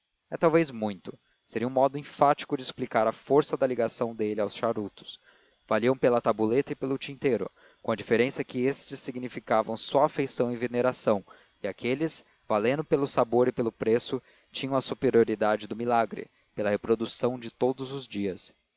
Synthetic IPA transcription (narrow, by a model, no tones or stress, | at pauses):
ɛt̪awvejzmũj̃t̪ʊ | seɾiɐũmɔd̪ʊẽfat͡ʃi̥kʊd͡ʒɪsplikaɾɐfoɾsɐd̪ɐliɡasɐ̃w̃d̪elɪawsʃaɾut̪ʊ̥s | v̥aliɐ̃w̃pelɐt̪abulet̪ɐɪpelʊt͡ʃĩnt̪ejɾʊ̰ | kõɐd͡ʒifeɾẽsɐkɪest͡ʃɪsːiɡnifikavɐ̃w̃sɔɐafejsɐ̃w̃ẽveneɾasɐ̃w̃ | iakʰelɪs | valẽnd̪ʊpelʊsaboɾɪpelʊpɾesʊ | t͡ʃĩɲɐ̃w̃ɐsupeɾioɾid̪ad͡ʒɪd̪ʊmilaɡɾɪ̰ | pelɐhepɾod̪usɐ̃w̃d͡ʒɪt̪od̪ʊzʊzd͡ʒiɐs